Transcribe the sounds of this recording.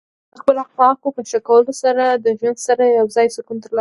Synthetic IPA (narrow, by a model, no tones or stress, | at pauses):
d̪̥əxpəlaxpɑkopəʃakawəlosaɾad̪əʒwand̪saɾajawzɑjsʊkunt̪əɾlɑ